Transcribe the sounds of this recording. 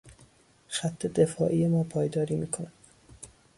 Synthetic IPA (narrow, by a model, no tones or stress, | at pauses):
xæt̪ʰːed̪efɒ̰ːʔijemɒːpʰɒːjd̪ɒːɾiːmiːkʰonæd̪